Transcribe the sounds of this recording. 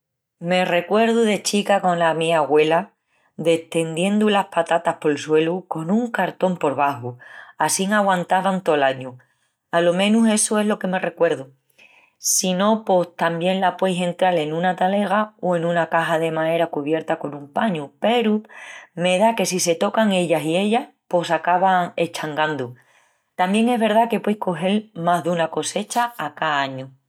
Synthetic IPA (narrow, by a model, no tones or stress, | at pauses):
me̞re̞kwe̞ɾðuðe̞t͡ʃikako̞nlamiaɣwe̞la | d̪e̞ht̪e̞nd̪je̞nd̪ulahpat̪at̪ahpo̞lswe̞luko̞nuŋkaɾt̪o̞mpo̞ɾβaɦuasiŋaɣwãnt̪aβant̪o̞laɲu | alo̞mẽ̞nuse̞soɦlo̞ke̞me̞re̞kwe̞ɾðu | sino̞po̞st̪ambje̞nlapwe̞jse̞nt̪ɾale̞nũnat̪ale̞ɣ̞aoe̞nũnakaɦaðe̞mae̞ɾakuβje̞ɾt̪ako̞nũmpaɲupe̞ɾume̞ðake̞sise̞t̪o̞kaŋe̞ʎasie̞ʎahpo̞sakaβaŋe̞t͡ʃaŋɡand̪u | t̪ambje̞ŋe̞ɦβe̞ɾðake̞pwe̞jhko̞ɦe̞lmaɦðunako̞se̞t͡ʃaːkaaɲu